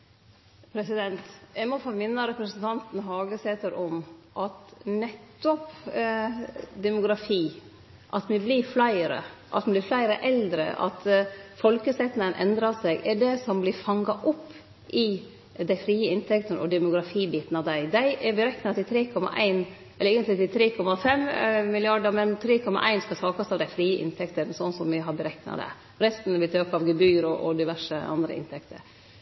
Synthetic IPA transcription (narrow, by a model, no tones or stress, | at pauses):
pʰɾɛsɪd̪ɛnt̪jæɪmɔfoːmɪnːəɾɛpɾəsən̩t̪ʰɑnt̪n̩ɦɑːɡəsɛt̪əɾʔɔmʔɑt̪nɛt̪ːɔp | d̪ɛmʊɡɾɑfiː | ʔɑt̪ʋɪblɪɾflæɪɾə̰ʔɑ̰t̪mɪblɪɾflæɪɾəʔɛld̪ɾə̰ʔɑ̰t̪fɔlkəsɛt̪nənʔɛnd̪ɾɑsɛɡɛɖɛsɔmblɪɾfɑŋːɑʔɔpː | ʔɪ | d̪æɪfɾiːəɪnt̪ʰɛkt̪ənɔ̰d̪ɛmʊɡɾɑfiːbiːt̪n̩ɑʋd̪æɪd̪æɪʔɛɾbəɾɛknɑt̪ɪt̪ʰɾeːkʰɔmɑ̰ʔæɪn | ɛlːəɛːɡənt̪lɪt̪ɪlt̪ʰɾeːkʰɔmːɑfɛmmɪlɪɑɖəɾmɛnt̪ʰɾeːkʰɔmːɑ̰ʔæ̰ɪnskɑsɑːkɑsɑʋd̪æɪfɾiːəʔɪ̰nt̪ʰɛkt̪əɾsɔnːsɔmʋɪɦɑɾbəɾɛknɑ̰d̪ɛ̰ | ɾɛst̪n̩ʋɪlt̪ʰøkɑʋɡɛbyːɾɔʔɔ̰d̪ɪʋæʂəɑ̰nd̪ɾə̰ɪ̰nt̪ʰɛkt̪ʰə̰ɾ